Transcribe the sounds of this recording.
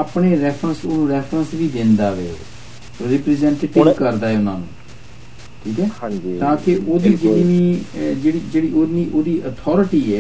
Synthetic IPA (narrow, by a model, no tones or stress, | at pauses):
aːpɳeːɾɛːfʰɾənsoːnũːɾɛːfʰɾə̃nsʋiːd̪ɪ̃nd̪aːʋḛː | ɾiːpɾiːzɛ̃ːɳʈeːʈɪkəɾd̪aːɦɛːʊnã̰ːnṵ̃ː | ʈʰiːkɛːt̪ãːkeʔoːd̪iːd͡ʒeɽiːniːd͡ʒeːɽiːd͡ʒeːɽiːʔoːniːʔoːd̪iːʔət̪ʰɔːɾɪʈiːɛː